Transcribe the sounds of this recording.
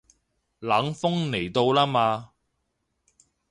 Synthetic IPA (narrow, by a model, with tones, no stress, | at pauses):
laː˨˥ŋfʊ˥ŋne˨˩jt̪o˧wlaː˥maː˧